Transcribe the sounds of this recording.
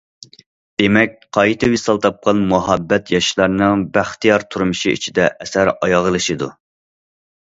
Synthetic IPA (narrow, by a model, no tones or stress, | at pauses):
d̪̥emɛk̚ʲqʰɑjt̪ʰɨwisɑlˠt̪ʰɑp̚qʰɑnmuɦɑbːɛt̪jɑʃlˠɑɾnɨŋbæχt̪ijɑɾt̪ʰuɾmɨʃiḭt͡ʃʰid̪ɛʔɛsæɾɑjɑʁəlˠɨʃɨd̪u